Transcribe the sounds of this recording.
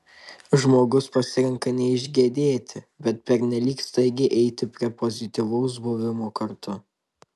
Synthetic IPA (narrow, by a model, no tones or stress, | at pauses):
ʒmoːɡʊspɐsʲɪɾʲɛŋkɐnʲɛɪʒʲɡʲeːd̪ʲeːt̪ʲɪ | bʲɛt̪̚pʲɛɾʲnʲɛlʲiːkst̪ɐɪɡʲɪʔɛɪt̪ʲɪpʲɾʲiɛpɔzʲɪt̪ʲiʋɐʊs̬buːʋʲɪmoːkɐɾt̪ʊ